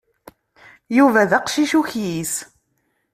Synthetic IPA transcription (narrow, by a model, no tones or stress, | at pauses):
juvæðɑqʃiʃuçjis